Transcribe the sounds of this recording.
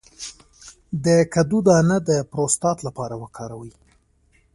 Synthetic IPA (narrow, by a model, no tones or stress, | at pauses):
d̪əkad̪ud̪ɑnəd̪əpɾost̪ɑt̪lapɑɾawəkʰɑɾawi